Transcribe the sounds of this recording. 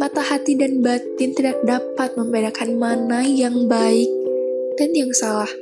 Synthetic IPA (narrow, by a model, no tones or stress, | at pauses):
mat̪ahat̪idanbat̪ɪnt̪idak̚dapat̪̚məmbedakanmanajaŋbaɪk̚d̥anjaŋsalah